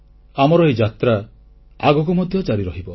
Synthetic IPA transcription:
amɔɾɔɦid͡ʒat̪ɾa | aɡɔk̬umɔd̪ʱjɔt͡ʃaɾiɾɔɦibɔ

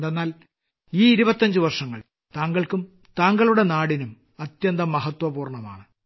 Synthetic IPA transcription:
d̪enːaːl | iːiɾubɐt̪ːɐɲd͡ʑɨʋɐrʂɐŋːɐ̰ɭ | t̪aːŋɡɐɭkum | t̪aːŋɡɐɭuɽe̞naːɽinum | ɐt̪jɐnd̪ɐmːɐɦɐt̪wɐbuːrɳɐma̰ːɳɨ

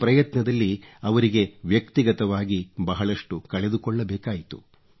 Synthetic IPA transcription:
pɾɐjɐt̪nɐd̪ɐlːiɐʋɐɾiɡe̞ʋjɐkt̪iɡɐt̪ɐʋaːɡibɐɦɐɭɐʂʈukɐɭe̞d̪ukɔɭːɐbɛːkaːjit̪u̥

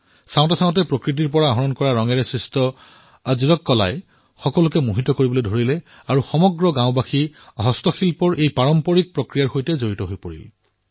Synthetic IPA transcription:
saʊ̃tasaʊ̃tɛpɹokɹit̬iɹpɔɹaɦɔɹɔnkɔɹaɹɔŋɛɹɛsɹistɔ | aziɹɔkːɔla̰j | xɔkɔlʊkɛmuɦitːɔkoɹibɔlojdʱoɹilɛ | aɹuxɔmɔɡɹɔɡãʊ̃baxiɔɦɔstɔxilpɔɹʔejpaɹɔmpɔɹik̚pɹokɹijaɹxojtɛzoɹitɔɦojpoɹḭl

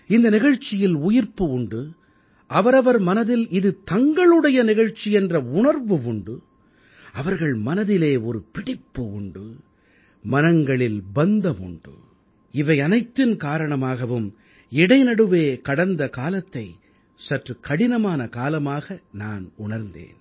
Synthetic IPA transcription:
ɪnd̪ɐnɪɣɐɻt͡ʃːɪjɪlʊjɪɾpɯʊɳɖɯ | ɐʋɐɾɐʋɐɾmɐnɐðɪlɪðɯt̪ɐŋɡɐɭɯɽɐjɐnɪɣɐɻt͡ʃːiɛndrɐʊɳɐɾʋɯʊɳɖɯ | ɐʋɐɾɣɐɭmɐnɐðɪleːɔɾɯpɪɽɪpːɯʊɳɖɯ | mɐnɐŋɡɐɭɪlbɐnd̪ɐmʊ̰ɳɖɯ̰ | ɪʋɐɪɐnɐɪt̪ːɪnkaːɾɐɳɐmaːɣɐʋɯm | ɪɽɐɪnɐɽɯʋeːkɐɽɐnd̪ɐkaːlɐt̪ːɐɪ | sɐʈrɯkɐɽɪnɐmaːnɐkaːlɐmaːɣɐnaːnʊɳɐɾnd̪ḛːn

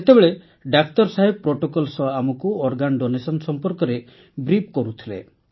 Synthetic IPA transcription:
et̪ebeɭe | ɖakt̪ɔɾsaɦeb̚pɾoʈokɔlsɔamɔkuɔɾɡanɖonesɔnsɔmpɔɾkɔɾe | bɾip̚kɔɾut̪ʰilḛ

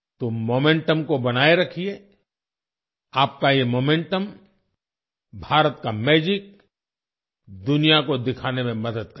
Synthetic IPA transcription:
t̪omoːmẽɳʈəmkobɐnaːeɾɐkʰie | aːp̚kajemoːmẽɳʈəm | bʱaːɾət̪kamɛːd͡ʒɪk̚ | d̪ʊnijakod̪ɪkʰaːnemẽmɐd̪əd̪̚kɐ

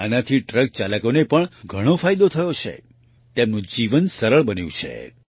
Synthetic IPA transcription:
anat̪ʰiʈɾək̚t͡ʃaləkonepəɳɡʱəɽ̃ofajd̪ot̪ʰəjot͡ʃʰḛ | t̪emnũd͡ʒiʋənsəɾəɭbənjṵ̃t͡ʃʰḛ

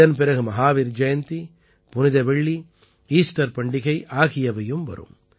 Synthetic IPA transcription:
ɐnpɪɾɐɣɯmɐɦaːʋiɾd͡ʒɐjɐnt̪i | punid̪ɐʋeɭːi | iːsʈɐɾpɐɳɖiɣɐjʔaːɣɪjɐʋɐjumʋɐ̰ɾṵm

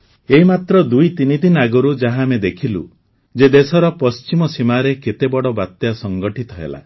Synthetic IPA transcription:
eɦimat̪ɾɔd̪ujt̪inid̪inaɡɔɾud͡ʒaɦamed̪ekʰilṵ | d͡ʒed̪esɔɾɔpɔst͡ʃimɔsimaɾeket̪ebɔɽɔbat̪jasɔŋɡɔʈit̪ʰɔɦḛla̰

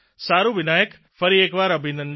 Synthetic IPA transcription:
saːɾuʋɪnaːjək | fɐɾieːkʋaːɾɐbʱĩːnd̪ən

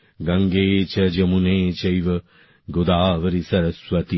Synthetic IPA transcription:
ɡɐŋɡeːt͡ʃɐd͡ʒɐmuneːt͡ʃɐjʋɐ | ɡod̪aːʋɐɾisɐɾɐsʋɐt̪i

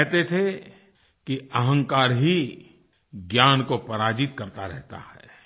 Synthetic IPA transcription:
ɛɦt̪et̪ʰe | kiɐɦə̃ŋkaːɾɦi | ɡjaːnkopɐɾaːd͡ʒɪt̪̚kɐɾt̪aɾɛ̰ɦt̪a̰hɛ̰ː

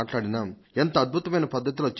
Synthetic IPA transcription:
ʈlaːɽinaːent̪ɐɐːd̪̚bʱut̪ɐmɐjnɐpɐd̪ʱːɐt̪̬ilot͡ʃː

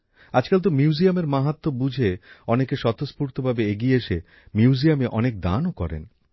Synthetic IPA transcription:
ad͡ʑkalt̪̬omjuuziameɾmaɦat̪ːobud͡ʑʱeɔnekeʃɔt̪ospuɾt̪obʱabeeɡieʃe | mjiuuziameʔɔnek̚d̪a̰nokɔ̰ɾḛn

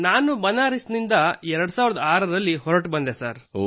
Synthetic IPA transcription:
naːnubɐnaːɾisnind̪ɐɛɾɐɽusaːʋiɾɐd̪ɐaːɾɐɾɐlːiɦɔɾɐʈbɐnd̪esaːɾ

